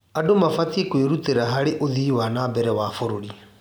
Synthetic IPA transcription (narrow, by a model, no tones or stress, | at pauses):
adomafatiekweɾuteɾaɦaɾeʔoðiːwanabɛɾɛwafoɾoɾi